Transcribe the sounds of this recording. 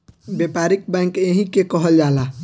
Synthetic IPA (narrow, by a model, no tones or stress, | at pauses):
bjepaɾik̚bɛ̃ŋkeɦĩkekəɦəld͡ʒala